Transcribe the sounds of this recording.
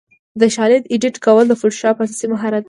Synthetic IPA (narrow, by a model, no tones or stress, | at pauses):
d̪əʃɑlɪd̪iɖiʈkawəld̪əfʊʈʃɑpəasɑsimʊɦaɾad̪